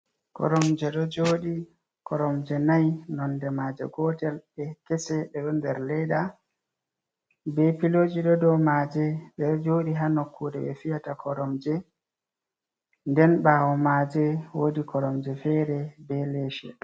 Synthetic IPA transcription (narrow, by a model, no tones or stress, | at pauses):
kɔ̰ɾɔmd͡ʒɛɗɔd͡ʒoːɗi | kɔɾɔmd͡ʒɛnajnɔndɛmad͡ʒɛ̰ɡɔtɛlɓɛkɛsɛɗɛɗɔndɛɾlɛɗa | bɛpiloːd͡ʒiɗɔdɔmad͡ʒɛɓɛd͡ʒoɗiɦanokʰːuɗɛɓɛ̰fijatakʰɔɾɔmd͡ʒɛ | ndɛnɓaːwɔmad͡ʒɛwodikʰɔɾɔmd͡ʒɛfɛɾɛbɛleʃɛ̰ɗ